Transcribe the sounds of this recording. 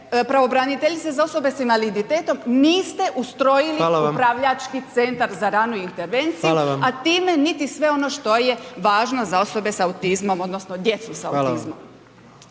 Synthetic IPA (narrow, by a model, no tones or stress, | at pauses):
pɾaʋo̞bɾanit̪eʎit̪ezao̞so̞be̞sinʋalid̪it̪eːt̪o̞mniːst̪e̞ʔust̪ɾo̞jiliaupɾaʋʎat͡ʃkit̪se̞nt̪aɾzaɾaːnuiint̪eɾʋe̞nt̪sijuat̪iːme̞nit̪isʋe̞o̞no̞ʃt̪o̞je̞ʋaːʒnozao̞so̞be̞saut̪izmo̞mo̞d̪nosnod̪je̞t̪susaut̪izmom